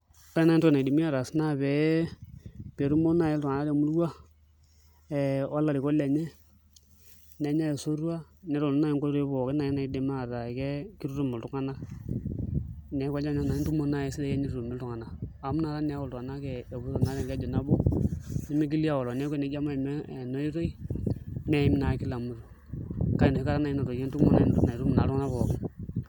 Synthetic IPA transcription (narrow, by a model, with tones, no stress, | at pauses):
ta˦na˦i˦ntna˨di˨mi˦a˨ɾa˨sna˦βɛ˨˦ | pe˨ɾu˦mo˦na˦ɛ˦ltu˨ŋa˨na˦ɾe˨mu˦lwa˦ | ɛ˨a˦lːa˨li˨ko˦le˨ɲɛ˦ | nɛ˨˦ɲa˦jɛ˨so˦ɾu˦a˦nɛ˨˦ɾo˨˦na˦ɛ˦ŋko˦ɾe˦βɔ˨ke˦na˨jna˨i˦de˨ma˦˨ɾa˨kɛ˦ki˦ɾu˦ɾu˦˨mɪ˨ltu˦ŋa˦na˦ | nɛ˨˦kʷa˦d͡ʒa˦ɲa˦na˨˦n˦tu˦mo˦na˦ɛ˨˦si˦dɛ˦kɛ˦ɲi˦ɾɾu˨mɪ˨ltu˨ŋa˨na˨a˨mu˦na˨ɾa˦nɛ˨˦wɔ˨ltu˨a˨na˦kɛ˨e˨bu˦so˨na˨˦ɾɛ˨kɛ˦d͡ʒɔ˨na˦bo˦ni˦mi˦k̬i˦li˦a˦wɔ˨lɔ˨nɛ˦ke˨ne˨˦d͡ʒa˦ma˦˨mɛ˦˨no˦i˦ɾo˦i˦ | mɛ˦i˦m˦na˨˦ki˦la˨mu˦ɾu˨ | ka˦i˨no˨i˦ka˦ɾa˦na˨i˦na˨to˨ke˦ntu˦mo˦na˦˨˦na˨i˨ɾu˦m˨na˨ɾu˦ŋa˦na˦βɔ˨kɪ˦n